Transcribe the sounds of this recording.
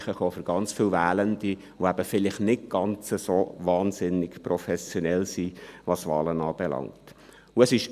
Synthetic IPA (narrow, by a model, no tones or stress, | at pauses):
χəχoːfʏɾɡ̥ɑnt͡sfiwvæːləndi | ʋoæb̥əfɪlɪχnɪt̚ɡ̥ɑnt͡səsoːvɑːnsɪnːɪɡprɔfɛsjɔnɛlsiʋɑsʋɑ̰ːlənɑːb̥ɛlɑ̰ŋt | ʊəsɪʃ